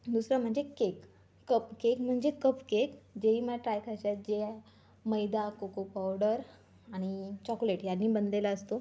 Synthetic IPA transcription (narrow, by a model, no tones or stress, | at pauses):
d̪usɾam̤əɳd͡zekekː | əpkekm̤əɳd͡ʑekəpkekd͡ʑeɦiːməʈɾajkəɕat̪̚d͡ʑe | məjd̪akokopawɽəɾ | aɽ̃it͡ɕɔkleʈjanːiːbənd̪lelaəst̪o